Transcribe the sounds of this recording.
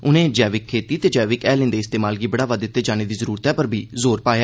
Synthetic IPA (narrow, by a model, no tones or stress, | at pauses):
ʊnẽːd͡ʒɛːʋɪkʰːeːt̪iːt̪eːd͡ʒɛːʋɪkɛːlɪ̃nd̪eːst̪eːmaːlɡiːbəɽaːʋad̪ɪt̪ːeːd͡ʒaːneːd̪iːzəɾuːɾt̪ɛːpəɾbʱiːzoːɾpaːjaː